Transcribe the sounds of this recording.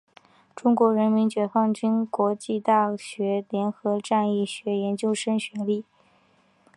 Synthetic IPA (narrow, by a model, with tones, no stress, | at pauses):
ʈ͡ʂʊ˥ŋkwɔ˧˥ɻə˧˥nmi˧˥nt͡ɕɥɛ˨˩fɑ˥˩ŋt͡ɕy˥nkwɔ˧˥t͡ɕi˥˧t̪a˥˩ɕɥɛ˧˥ljɛ˧˥nxɤ˧˥ʈ͡ʂa˥˧ni˥˩ɕɥɛ˧˥jɛ˧˥nt͡ɕjo˥˧ʊʂə˥nɕɥɛ˧˥li˥˩